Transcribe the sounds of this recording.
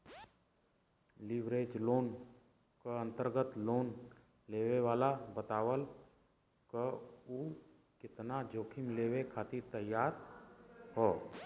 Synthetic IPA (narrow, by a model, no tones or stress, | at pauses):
lɪʋɾeːd͡ʒloːn | kəə̃nt̪əɾɡət̪loːn | leːweʋaːlabət̪aːʋəl | kəuː | kɪt̪nad͡ʒoːkʰɪmleːwekʰaːt̪ɪɾt̪əjːaːɾ | hoː